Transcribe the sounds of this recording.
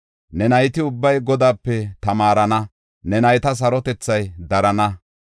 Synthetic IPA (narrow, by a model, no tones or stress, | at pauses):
nɛnɐjt̪ɪʊbːɐjɡɔd̪aːpːɛt̪ɐmaːɾɐnɐ | nɛnɐjt̪ɐs̬ɐɾɔt̪ɛt͡sːɐjd̪ɐɾɐnɐ